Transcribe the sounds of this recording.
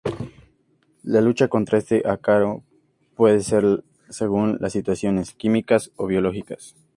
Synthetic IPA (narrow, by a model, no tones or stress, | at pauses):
lalut͡ʃako̞nt̪ɾae̞st̪e̞ʔakaɾo | pwe̞ðeseɾ | se̞ɣ̞unla̰sːit̪wasjo̞ne̞skimikaso̞βjo̞lo̞xikas